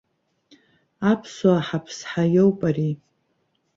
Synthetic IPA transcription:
apʰsaħapʰsħajowpʼari

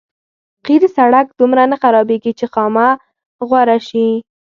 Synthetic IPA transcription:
qiɾsaɽakd̪umɾanaxaɾɑbeɡit͡ʃexɑma | ɣwaɾaʃi

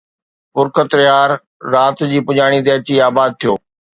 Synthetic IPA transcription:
pʊɾkət̪ɾɪɦaːɾː | aːt̪d͡ʑiːpʊd͡ʑaːɽ̃it̪̬eɐt͡ɕiaːbaːd̪̚t̪ʰijoː

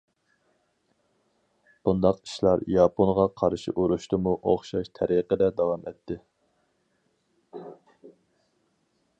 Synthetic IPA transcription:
b̥und̪ɑqi̥ʃlˠɑɾjɑːponʁɑqʰɑɾʃḭʔuɾuʃt̪ɨmuʔoχʃɑʃt̪ʰɛɾiqəd̪ɛd̪ɑwɑmɛt̪ʰːɪ

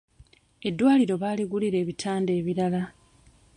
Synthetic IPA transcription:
e̞dːwaːliɾo̞βaːliɡuliɾe̞ːβitʰaːnde̞ːβiɾala

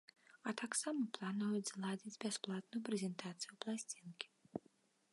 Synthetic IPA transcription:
at̪ʰaksamɔplˠanɔjut̪zlˠad͡zʲit͡sʲbʲɛsplˠat̪nujʊpɾʲɛzʲɛnt̪ʰat̪sɨjuplˠasʲt͡sʲinkʲi̥

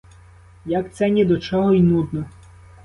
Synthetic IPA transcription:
jakt̪sɛnʲid̪ɔt͡ʃɔɦɔinud̪nɔ

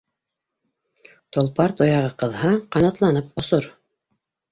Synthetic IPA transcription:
t̪ŏlˠpɑɾt̪ŏjɑʁɤqɤ̆ðhɑqɑnɑt̪lˠɑnɤp̚ŏsoɾ

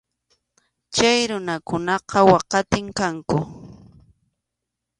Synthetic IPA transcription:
t͡ʃajɾʊnakʊnɑqɑwɑqɑt̪ɪŋkaŋkʊ

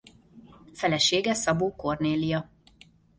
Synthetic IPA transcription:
fɛlɛʃeːɡɛsɒboːko̞rneːlijɒ

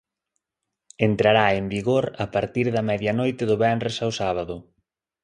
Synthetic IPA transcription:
ent̪ɾaɾaembiɣoɾapaɾt̪iɾðɐmɛðjɐnojt̪ɪðʊβɛnresawsaβaðʊ

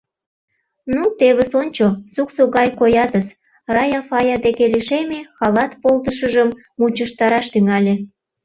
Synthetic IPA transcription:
nut̪eβesonʲt͡ɕosuksoɣɑjkojɑt̪əs | rɑjɑfɑjɑd̪ekeliʃemexɑlɑt̪polt̪əʃəʒəmː | ut͡ɕəʃt̪ɑɾɑʃt̪yŋɑlʲe

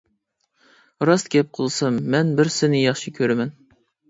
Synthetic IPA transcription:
ɾɑst̪ɡʲɛp̚qʰəlˠsɨmːɛnbɪɾsɪnɪjɑχʃikʲʰøɾɛmɛn

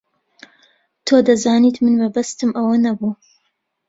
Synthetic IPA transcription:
t̪ʰod̪ɐzaːniːt̪mɨnmɐbɐst̪ɨmʔɐwɐnɐbuː

